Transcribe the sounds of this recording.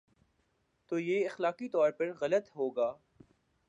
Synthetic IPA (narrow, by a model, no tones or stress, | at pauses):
t̪oːjeːɪxlaːqit̪ɔːɾpɐɾɣɐlət̪ɦoːɡaː